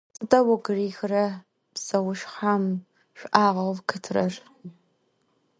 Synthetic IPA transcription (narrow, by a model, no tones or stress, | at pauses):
sɨtʼɐwɐɡɨriːxrɐ | psɐwʊʃħam | ʃʷᶣʔaːʁɐvkʰɨtʰrɐr